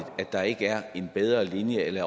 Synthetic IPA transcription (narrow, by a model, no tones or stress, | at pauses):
d̥ˠæ̥ɑ̈e̝ɡ̥əæɐe̝nb̥eð̞ˠʁɐlinjəelɐ